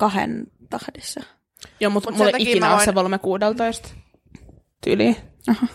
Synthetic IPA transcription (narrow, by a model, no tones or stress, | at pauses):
kɑhḛnt̪ɑhdesːɑ | joːmut̪mulːeikinæossekolmekuːdelt̪oist̪ | t̪y̰liɑhɑ